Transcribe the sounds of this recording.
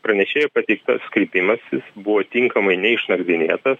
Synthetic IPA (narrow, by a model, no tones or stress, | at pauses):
pɾɐnʲɛʃʲeːjɛpɐt̪ʲɛɪk̚t̪ɐskɾʲɪpʲɪmɐsʲɪsbʊʋoːt̪ʲɪŋkɐmɐɪnʲɛɪʃnɐɡɾʲɪnʲeːt̪ɐs